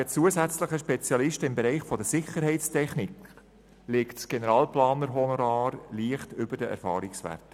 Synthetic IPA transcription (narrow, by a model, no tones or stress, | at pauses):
ət͡suəzæt͡sləχəʃpɛt͡sjɑlɪʃtəɪmbɛɾɛɪχfɔd̪əsɪχəɾɦɛɪtstʰɛχnik | lɪktsɡ̥enəɾɑːlplɑːnəɾɦɔnoɾɑːɾliːəχtʏbəɾd̥əʔæ̰ɾfɑːɾiksʋæ̰ɾtə